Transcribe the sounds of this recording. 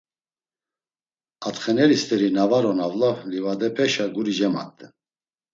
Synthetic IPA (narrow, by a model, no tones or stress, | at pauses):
at̪χɛnɛɾist̪ʼɛɾinavaɾɔnavlavlivad̪ɛpʰɛʃaɡuɾid͡ʒɛma̰t̪ʼːɛ